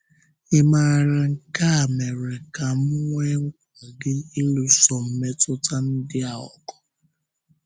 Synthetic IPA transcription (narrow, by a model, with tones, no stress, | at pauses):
ɪ˦ma˦˨ɾa˨ŋ̩˨ka˦a˨me˨ɾe˨ka˨m̩˦ŋʷe˦ŋ̩˦kʷa˨ɡɪ˦i˦lu˦sɔ˨m̩˨me˦tʊ˦ta˦n̩˦dɪ˦a˨ɔ̰˨kɔ̥˨